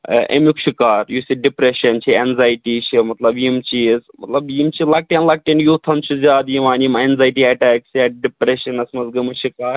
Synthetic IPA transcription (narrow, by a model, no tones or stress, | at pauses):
ʔḛmjukʃʰikaːɾjusiɖipɾeʃɐnt͡ʃʰienzaːjʈiːt͡ʃʰimɐt̪lɐbjimt͡ʃiːzmɐ̰t̪lɐbjimt͡ʃiːzlɐɡ̚ʈiɐnlɐɡ̚ʈiɐnjuːt̪ʰɐnt͡ʃʰuzʲaːd̪jiʋaːnjimeːnzaːjʈiaːʈɛːkt͡ʃʰijaːɖipɾeʃɐnɐsmɐzɡɐmuʃʰikaːɾ